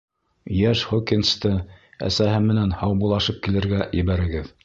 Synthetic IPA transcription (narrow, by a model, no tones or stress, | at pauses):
jæʃχokːinst̪ɤæ̰sæɦɘmɘ̆nænhɑwbulˠɑʃɤp̚kilɘ̆ɾɡæjɘ̆βæɾɘ̆ɡɘð